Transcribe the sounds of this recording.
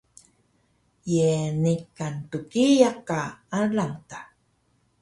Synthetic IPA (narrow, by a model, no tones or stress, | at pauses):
jenikantukijakaalamta